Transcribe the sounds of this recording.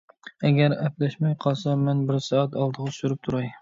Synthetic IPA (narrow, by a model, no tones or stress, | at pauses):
ɛɡʲæɾɛplɛʃmɛjqʰɑlˠsɑmɛnbɪɾsɑːæt̪ɑlˠd̪əʁɑsyɾyp̚t̪ʰuɾɑj